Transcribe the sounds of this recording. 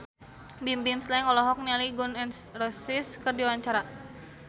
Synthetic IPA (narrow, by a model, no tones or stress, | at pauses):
bimbimslɛŋɔlɔɦɔk̚nialiɡunɛnsrɔsiskərdiwaɲt͡ʃaɾa